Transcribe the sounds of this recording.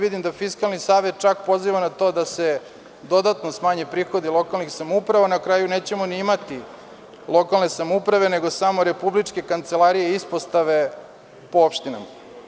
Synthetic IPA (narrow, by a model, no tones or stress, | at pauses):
ʋid̪imd̪afiskalˠnisaːʋe̞t̪̚t͡ʃakpo̞ziʋanat̪o̞d̪ase | d̪o̞d̪at̪nosmaːɲepɾiːxo̞d̪ilˠo̞kalˠnixsamupɾaʋanakɾaːjune̞ːt͡ɕemoniimat̪i | lˠo̞kalˠne̞samupɾaʋe̞ne̞ɡo̞samo̞ɾe̞publit͡ʂke̞kant̪se̞lˠaɾijeispost̪aʋe̞ | poopʃt̪ina̰ma